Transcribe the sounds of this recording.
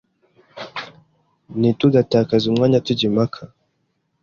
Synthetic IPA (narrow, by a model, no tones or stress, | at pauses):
nituɡatakazimaɲatid͡ʒimakʰa